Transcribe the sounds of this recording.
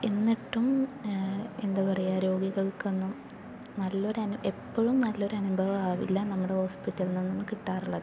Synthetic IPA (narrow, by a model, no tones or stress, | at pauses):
e̞nːiʈːum | e̞̰nd̪ɐpɐrɐjaɾo̞ːɡiɣɐɭkonːum | nɐlːo̞ɾɐnuʔe̞pːoɻumnɐlːo̞ɾɐnubʱɐʋɐaːʋḭlːɐnɐmːuɽeho̞ːspitːɐlninːinːɨkiʈːaːruɭːɐð